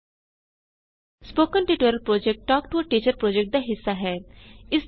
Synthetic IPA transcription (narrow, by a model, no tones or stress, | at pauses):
spoːkənʈiʈoːɾəlpɾoːd͡ʒek̚ʈʈɔːkʈuəʈiːt͡ʃəɾpɾoːd͡ʒek̚ʈ̚d̪aɦɪsːaɦɛːɪs